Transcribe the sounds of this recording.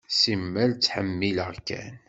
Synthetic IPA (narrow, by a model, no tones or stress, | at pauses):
simːəlt͡sːħəmːiləʁkæ̰n